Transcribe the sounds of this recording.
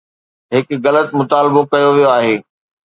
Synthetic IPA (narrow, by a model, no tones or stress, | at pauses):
ɦɪkɣɐlət̪mʊt̪aːlbokɐjoʋijoaːɦeː